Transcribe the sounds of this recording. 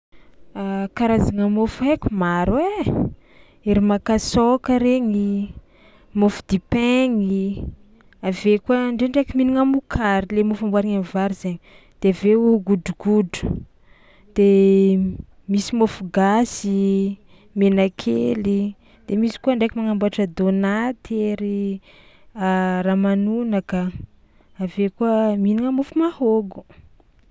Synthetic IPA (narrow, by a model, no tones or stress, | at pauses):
akaɾazaŋəmofuekumaɾwe | eɾimakasokəɾeŋi | mofud̪ipeŋi | avekuəɳɖ͡ʐeɳɖ͡ʐekʲiminiŋamukʰaɾilemofambwaɾiŋanivaɾizeɲi | d̪̥eveuɡuduɡudu̥ | d̪̥e | misimofuɡasi | menakʰeli | d̪̥emisi̥kuaɳɖ͡ʐekimaŋambaʈ͡ʂəd̪onat̪ʰeɾi | aramanunaka | avekuəminiŋəmufumahoɡu̥